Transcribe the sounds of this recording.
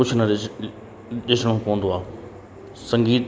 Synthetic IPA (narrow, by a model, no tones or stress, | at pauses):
ʊt͡ɕʰʊnɐ | ɗɪsɽ̃õpɐːə̃n̆d̪oaː | sɐ̃ŋɡiːt̪